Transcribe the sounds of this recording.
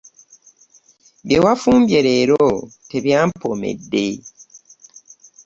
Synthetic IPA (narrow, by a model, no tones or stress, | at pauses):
bjewafuːmbjeɾeɾoteβjampomḛdːe